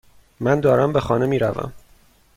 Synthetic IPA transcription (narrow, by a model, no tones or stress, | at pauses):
mænd̪ɒːɾæmbexɒːnemiːɾæ̰væ̰m